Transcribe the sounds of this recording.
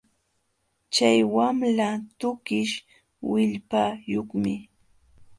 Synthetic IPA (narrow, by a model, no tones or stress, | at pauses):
t͡ʃajwamlat̪ʊkɪʃ | wɪʎpajoχmɪ